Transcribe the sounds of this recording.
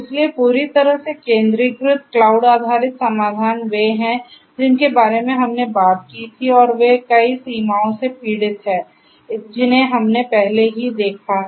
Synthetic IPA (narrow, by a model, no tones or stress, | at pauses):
ɪsliepuːɾit̪ɐɾəɦsekẽːnd̪ɾiɡɾʊt̪klaːʊɖaːd̪ʱaːɾɪt̪sɐmaːd̪ʱaːnʋeɦɛ̃ | d͡ʒɪnkebaːɾemẽɦɐmnebaːt̪̚kit̪ʰiɔːɾʋekɐisiːmaːõsepiːɽɪt̪ɦɛ̃ː | d͡ʒɪnɦẽɦɐmnepɛɦleɦid̪eːkʰa